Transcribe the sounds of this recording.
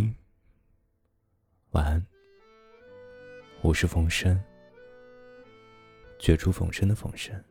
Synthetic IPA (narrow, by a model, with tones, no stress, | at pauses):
wa˧˥n | wɔ˨˩ʂɻ̩˥˩fɤ˧˥ŋʂə˥n | t͡ɕɥɛ˧˥˩ʈ͡ʂʰu˥fʊ̰˨˩ŋʂə˥nd̪ə˨fɤ̰˧˥ŋʂə˥n